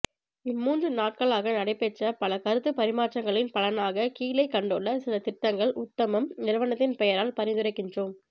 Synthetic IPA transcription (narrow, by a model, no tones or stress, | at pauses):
ɪmːuːndrɯnaːʈ̚kɐɭaːɣɐnɐɽɐɪpɛʈːrɐpɐlɐkɐɾɯt̪ːɯpɐɾɪmaːʈt͡ʃːɐŋɡɐɭɪnpɐlɐnaːɣɐkiːlɐɪkɐɳɖɔɭːɐsɪlɐt̪ɪʈːɐŋɡɐɭʔʊt̪ːɐmɐmnɪɾɯʋɐnɐt̪ːɪnpɛjɐɾaːlpɐɾɪnd̪ɯɾɐɪkːɪndroːm